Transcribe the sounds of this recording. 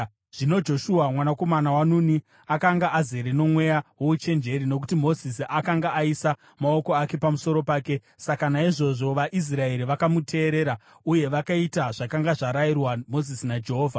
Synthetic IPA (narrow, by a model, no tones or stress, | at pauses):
ʐ̥ino̞d͡ʒo̞ʃuwamwanako̞manawanuni | akaŋɡaʔːzeɾeno̞mwe̞jawout͡ʃe̞nd͡ʒe̞ɾino̞k̬utimo̞zisiʔakaŋɡaʔːisa | mao̞ko̞ake̞pamuso̞ɾo̞paːke̞ | sakanaiʐo̞ʐo̞ʋaʔis̬rae̞ɾiʋakamutʰe̞ːɾe̞ːɾa | uje̞ʋakaitaʐ̥akaŋɡaʐaɾairwamo̞zisinad͡ʒe̞ɦoːvʱa